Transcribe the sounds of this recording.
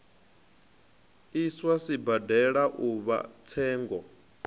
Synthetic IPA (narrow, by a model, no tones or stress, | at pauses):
iswasibadɛɺaʔuβa̰t͡sʰɛːŋɡɔ